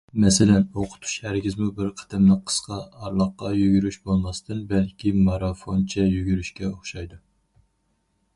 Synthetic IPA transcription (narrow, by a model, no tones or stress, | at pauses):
mɛsɪlɛnoqʰʊ̥t̪ʰu̥ʃhæɾɡʲizmubɪɾqʰə̥t̪ʰɛmnɪqʰə̥sqʰɑɑɾlˠəχqːɑjyɡʲyɾyʃbolˠmɑst̪ɨnbɛlkʲʰimɑɾɑfont͡ʃʰɛjyɡʲyɾyʃkʲɛoχʃɑjd̪u